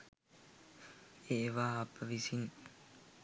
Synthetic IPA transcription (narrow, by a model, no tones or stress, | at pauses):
eʋaːpːəʋisin